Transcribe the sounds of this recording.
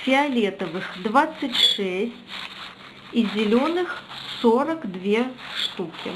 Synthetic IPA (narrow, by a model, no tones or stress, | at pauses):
fʲɪɐlʲet̪əvɨxd̪vat̪sɨtʲʂɛsʲtʲ | izʲɪlʲonɨxsoɾəkd̪vʲeʂt̪ukʲɪ̰